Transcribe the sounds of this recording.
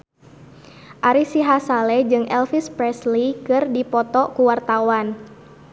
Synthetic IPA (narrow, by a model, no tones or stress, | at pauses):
ʔaɾisiɦasalɛd͡ʒɨŋʔɛlfispɾɛslikɨrdipɔt̪ɔkuwart̪awan